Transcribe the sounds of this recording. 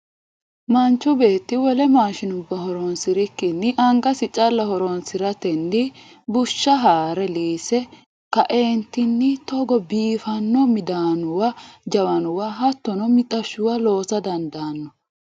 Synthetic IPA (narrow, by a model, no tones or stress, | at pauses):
mɐnt͡ʃːɔbe̞ːt̪ːɪwɔlɛmaːʃɪnʊbːɐɦɔɾɔnsɪɾɪkːɪnːɪʔɐŋɡɐsɪt͡ʃʼɐlːɐhɔɾɔnsɪɾɐt̪ɛnːɪ | bʊʃːɐɦaːɾɛliːsɛ | kɐʔeːnt̪ːɪnːɪt̪ɔɡɔbiːfɐnːɔmɪd̪aːnʊwɐd͡ʒɐwɐnʊwaɦɐt̪ːɔnɔmɪt̪ʼɐʃːʊwalo̞ːsɐd̪ɐnd̪ɐːnːɔ